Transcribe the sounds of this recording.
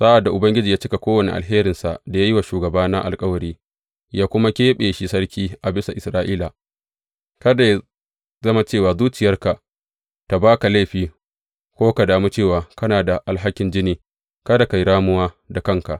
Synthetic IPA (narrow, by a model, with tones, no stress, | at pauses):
saː˦ʔa˨dːa˨ʔʊ˨bɐ˦ŋɡʲɪ˦d͡ʒiː˨jaː˦t͡ʃɪ˦ka˨kʷoː˦wɐ˨ne˨ʔa̰˨lɦeː˦ɾɪ˨nsa̰˨ʔda˨ja˦ji˦wa˨ʃuː˨ɡɐ˨baː˦na̰˦ʔa̰˨lkʼɐ˦wɐ˨ɽiː˦ | jaː˦kʷʊ˦ma˦kʲeː˦ɓeː˨ʃi˦sɐ˦ɽkʲiː˦ʔa˨bɪ˦sa˨ʔɪ˨sɾaː˦ʔiː˦la˨ | kɐ˦da˨ja˦ | zɐ˦ma˦t͡ʃeː˦˨waː˨zuː˦t͡ʃɪ˨jɐ˦rka˨ | ta˨baː˦ka˨la˦˨ɸiː˦ | kʷoː˦ka˨daː˨mu˦t͡ʃeː˦˨waː˨kɐ˦naː˨da˨ʔa˨lɦa˦kʲɪ˨nd͡ʒɪ˦niː˨ | kɐ˦da˨ka˨jɽaː˦mʊ˦waː˦ | da˨kɐ˦ŋka˨ʔ